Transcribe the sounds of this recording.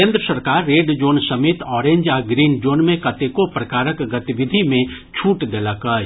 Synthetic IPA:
ẽːnd̪ɾəsəɾkaːɾːeːɖd͡ʒoːnsɐmeːt̪ɔːɾẽːɲd͡ʒaːɡɾiːnd͡ʒoːnmẽkɐt̪ekopɾɐkaːɾəkɡɐt̪ɪʋɪd̪ʱimẽ | t͡ʃʰuːʈd̪eːlakaː

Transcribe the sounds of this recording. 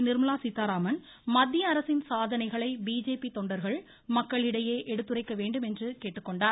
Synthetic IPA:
nɪɾmɐlaːsɪt̪ːaːɾaːmɐn | mɐd̪ːɪjɐːɾɐsɪnsaːðɐnɐɪɣɐɭɐɪbiːd͡ʒeːpit̪ɔɳɖɐɾɣɐɭ | mɐkːɐɭɪɽɐjeːʔɛɽɯt̪ːɯrɐɪkːɐʋeːɳɖɯmɛndrɯkeːʈːɯkːɔɳɖaːɾ

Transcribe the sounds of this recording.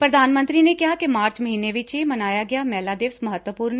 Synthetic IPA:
pɾəd̪ʱaːnmə̃nt̪ɾinekɪɦakemaːɾt͡ʃməɦiːneʋɪt͡ʃemɐnaːjaɡɪjaːmɛːlaːd̪eːʋsməɦət̪wəpuːɾn

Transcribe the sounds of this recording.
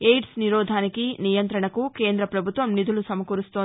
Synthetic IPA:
ejɖsniɾɔːd̪ʱaːnikinijɐnt̪ɾɐɳɐkuke̞ːnd̪ɾɐpɾɐbʱut̪ʋɐmnid̪ʱulusɐmɐkuɾust̪oː

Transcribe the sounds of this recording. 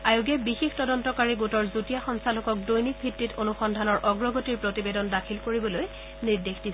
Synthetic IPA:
ajuɡɛbixextɔdɔntɔkaɹiɡotɔɹzutijaxɔŋsalɔkɔk̚dojnik̚bʱitːitʰonuxɔndʱanɔɹʔɔɡɹɔɡotiɹpɹotibedɔndakʰilkoɹibɔloj | niɹdexdi

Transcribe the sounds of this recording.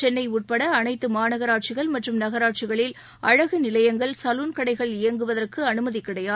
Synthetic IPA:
t͡ʃɛnːɐɪuːʈ̚pɐɽɐːnɐɪt̪ːɯmaːnɐɣɐɾaːʈ̚t͡ʃɪɣɐɭmɐʈrɯmnɐɣɐɾaːʈ̚t͡ʃɪɣɐɭɪl | ʔɐɻɐɣɯnɪlɐjɐŋɡɐɭsɐluːnkɐɽɐɪɣɐɭɪjɐŋɡɯʋɐðɐrkɯɐnɯmɐðikːɪɽɐjaː

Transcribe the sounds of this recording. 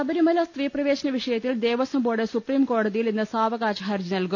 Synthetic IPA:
ɐbɐɾimɐlɐst̪riːprɐʋe̞ːɕɐnɐʋiʂɐjɐt̪ːild̪eːʋɐsɐmboːɽesupriːmko̞ːɽɐðijilenːɨsaːʋɐɣaːt͡ɕɐɦɐɾd͡ʑinɐlku

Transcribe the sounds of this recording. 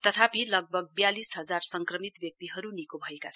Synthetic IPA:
t̪ʌt̪ʰapilʌɡ̚bʱʌɡ̚bjalisɦʌd͡zarsʌŋkrʌmit̪bjʌk̚t̪iɦʌɾunikobʱʌekat͡sʰʌ

